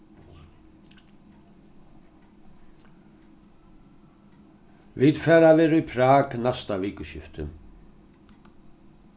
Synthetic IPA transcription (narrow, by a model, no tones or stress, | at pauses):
vid̪fɛːɾavɪːɾʏpʰɾaːknast̪aviːkʏsjɪft̪ʏ̰